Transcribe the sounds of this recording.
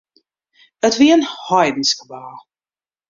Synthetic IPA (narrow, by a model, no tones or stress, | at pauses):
ətviənhɔjdiskəbaː